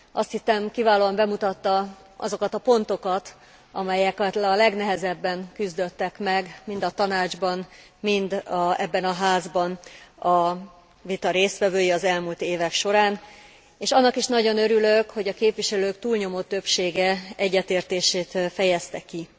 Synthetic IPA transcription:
ʔɒst̪hisɛmkivaːloːɒmbɛmut̪ɒt̪ːɒ | ʔɒ̰zo̞kɒt̪ɒpo̞nt̪o̞kɒt̪ | ɒ̰mɛjɛkt̪lɒlɛɡnɛɦɛzɛbːɛŋkyzd̪ø̞t̪ːɛkmɛɡmind̪ɒt̪ɒnaːd͡ʒbɒn | mind̪ɛ̰bːɛnɒɦaːzbɒnɒ | vit̪ɒɾeːsʋɛvøːjiɒzɛlmult̪eːvɛkʃo̞ɾaːn | eːʃɒnːɒkiʃnɒɟo̞nø̞ɾyløkho̞ɟɒkeːpʋiʃɛløːkt̪uːlɲo̞mo̞t̪ːø̞pʃeːɡɛɛɟːɛt̪eːrt̪eːʃeːt̪fɛjɛst̪ɛkːi

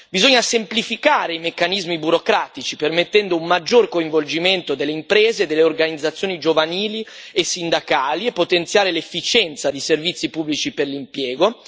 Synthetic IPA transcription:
bizoɲːasemplifikaːɾeimekːanizmibuɾokɾaːt̪it͡ʃipermet̪ːɛnd̪oummad͡ʒːorkoiɱvold͡ʒiment̪od̪elːeimpɾeːzed̪ːelːeorɡanid̪zːat̪sːjoːnid͡ʒovaniːliesind̪akaːliepːot̪ent̪sjaːɾelefːit͡ʃɛnt̪sad̪iservit̪sːipubːlit͡ʃiperlimpjɛːɡo

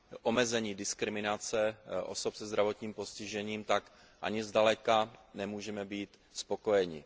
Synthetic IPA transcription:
ʔomɛzɛɲiːdɪskɾɪmɪnat͡sɛʔo̰so̞psɛzd̪ɾavo̞t̪ɲiːmpo̞scɪʒɛɲiːmt̪ak | ʔa̰ɲɪzdalɛkanɛmuːʒɛmɛbiːt̪ | spo̞ko̞jɛɲɪ̰

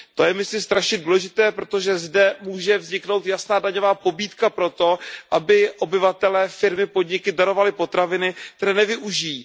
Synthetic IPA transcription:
t̪o̞jɛmɪslɪmst̪ɾaʃɲɛduːlɛʒɪt̪ɛːpɾo̞t̪o̞ʒɛzdɛmuːʒɛvzɲɪkno̞wt̪jasnaːdaɲo̞vaːpo̞biːt̪kapɾo̞t̪o̞ʔabɪʔo̞bɪvat̪ɛlɛːfɪɾmɪpo̞dɲɪkɪdaɾo̞valɪpo̞t̪ɾavɪnɪkt̪ɛɾɛːnɛvɪʔuʒɪjiː

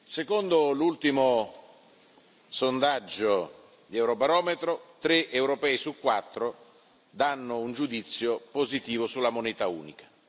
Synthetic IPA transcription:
sekond̪olult̪imo | sond̪ad͡ʒːo | d̪iɛwɾobaɾɔːmet̪ɾot̪ɾeʔewɾopɛːisukːwat̪ːɾo | d̪anːʊund͡ʒud̪it̪sːjopozit̪iːvosulːamonɛːt̪aṵːnikḁ

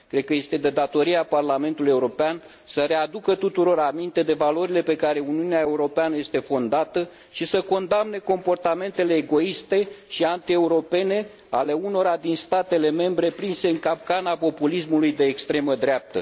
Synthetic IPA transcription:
kɾed̪̚kəje̞st̪e̞d̪e̞d̪at̪o̞ɾieaparlament̪uluje̞uɾo̞pean | səɾe̞ad̪ukət̪ut̪uɾo̞ɾamint̪e̞d̪e̞valo̞ɾile̞pe̞kaɾe̞uniuneae̞uɾo̞peanəje̞st̪e̞fo̞nd̪at̪ə | ʃisəko̞nd̪amne̞ko̞mpo̞rt̪ame̞nt̪e̞le̞ːɡo̞ist̪e̞ʃiant̪ie̞uɾo̞pe̞ne̞ | ale̞uno̞ɾad̪inst̪at̪e̞le̞me̞mbɾe̞pɾinse̞ɨŋkap̚kanapo̞pulismulujd̪e̞ːkst̪ɾe̞məd̪ɾap̚t̪ə̰

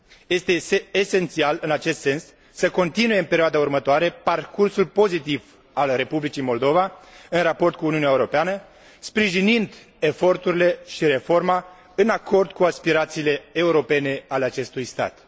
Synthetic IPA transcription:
je̞st̪e̞eːse̞nt̪sialɨnat͡ʃe̞st̪se̞nsː | əko̞nt̪inuje̞ɨmpe̞ɾioad̪aurmət̪oaɾe̞parkursulpo̞zit̪iv | alre̞publit͡ʃijmo̞ld̪o̞vaɨnrapo̞rt̪̚kuːniunɛaeuɾo̞peanə | spɾiʒinind̪ | e̞fo̞rt̪uɾile̞ʃiɾe̞fo̞rma | ɨnakʰo̞rd̪̚kuaspiɾat̪siːle̞euɾo̞pe̞ne̞aleat͡ʃe̞st̪ujst̪a̰t̪

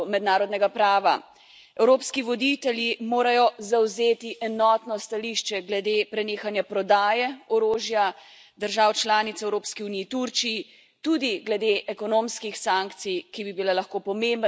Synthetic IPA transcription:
mɛd̪naːɾɔd̪nɛɡapɾaːʋa | ɛwɾoːpskiʋɔd̪it̪ɛljimoːɾajɔzawzeːt̪iʔɛnɔːt̪nɔst̪aliʃt͡ʃɛɡlɛd̪eːpɾɛneːxanjapɾɔd̪aːjɛɔɾoːʒja | d̪əɾʒaːwt͡ʃlaːnit̪sɛwɾoːpskiuniːt̪uɾt͡ʃiji | t̪ud̪iɡlɛd̪eʔɛkɔnoːmskixsaŋkt̪sijkibibilalɐxkoːpɔmemb

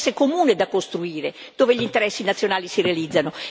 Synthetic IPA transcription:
sːekomuːned̪akːost̪ɾuiːɾe | d̪̥oːveʎint̪eɾɛsːinat̪sːjonaːlisirealid̪zːano

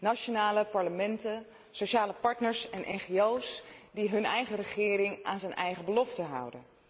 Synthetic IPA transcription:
nat͡ʃonaːləpɑɹləmɛntə | sowʃaːləpɑɹtnəɹsɛnʔɛ̰nχeowsdiɦɵnɛjχərəχɪːɾɪŋʔaːnzənɛjχəbəlɔftəɦɑ̰wdə̰n

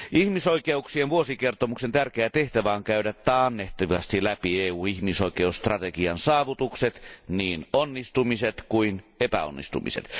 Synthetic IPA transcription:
ihmisoikeuksienʋuosikert̪omuksent̪ærkeæt̪eht̪æʋæoŋkæyɾæt̪ːɑːnːeht̪iʋɑst̪ilæpieːuːnihmisoikˑeusst̪rɑt̪ekiɑnsɑːʋut̪ukset̪niːnonːist̪umiset̪kuinepæ̰o̰nːḭst̪ṵmḭsḛt̪

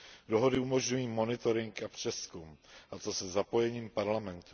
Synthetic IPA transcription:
do̞ɦo̞dɪumo̞ʒɲujiːmo̞nɪt̪o̞ɾɪŋkapr̝̥ɛskumʔat̪osɛzapo̞jɛɲiːmpaɾlamɛnt̪u̥

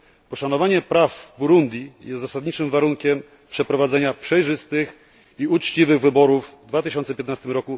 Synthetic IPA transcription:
pɔʂanɔvaɲɛpɾavbuɾund̪ʲjijɛst̪zasad̪ɲit͡ʂɘmvaɾuŋkʲɛm | pʂɛpɾɔvad̪zɛɲapʂɛjʐɘst̪ɘx | iut͡ʂt͡ɕivɘɣvɘbɔɾuvd̪vat̪ɘɕɔnt̪sɛpʲjɛt̪nast̪ɘmɾɔku

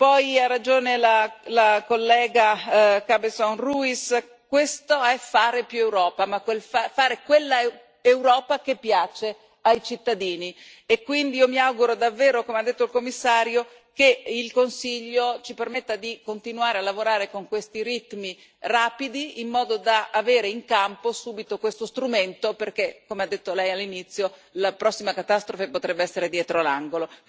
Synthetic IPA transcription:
pɔjarːad͡ʒoːnelalakolːɛːɡakabesonruis | kwest̪oɛfaːɾepjuewɾɔːpamakwelfafaːɾekwelːa | ewɾɔːpakepːjaːt͡ʃe | ajt͡ʃit̪ːad̪iːni | ekːwind̪iiːomiawɡuɾod̪avːeːɾokomead̪ːet̪ːoilkomːisːaːɾjo | keilkonsiʎːot͡ʃipermet̪ːad̪ikont̪inuaːɾealːavoɾaːɾekoŋkwest̪iɾit̪mi | raːpid̪iːmːɔːd̪od̪aːveːɾeiŋkamposuːbit̪okwest̪ost̪ɾument̪operkekːomead̪ːet̪ːolɛjalːinit̪sːjolapɾɔsːimakat̪ast̪ɾofepot̪ɾɛbːeɛsːeɾed̪jɛːt̪ɾoalaŋɡolo

